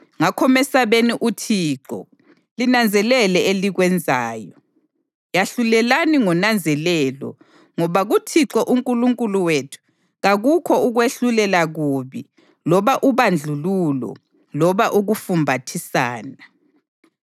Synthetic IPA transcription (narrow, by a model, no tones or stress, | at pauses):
ŋakʰɔmɛsaβeniʔutʰiːǁɔ̰ | linand͡zʱɛlɛlɛeliɣwɛnd͡zʱaːjɔ | jaɬulɛlaniŋɔnand͡zʱɛlɛlɔ̰ | ŋɔβaɣutʰiǁɔʔuŋkʼuluŋkʼuluwetʰu̥ | ɣaɣukʰɔuɣweɬulɛlaɣuβi | lɔβaʔuβand͡ɮʱululɔ̰ | lɔβaʔuɣufumbʱatʰisaːna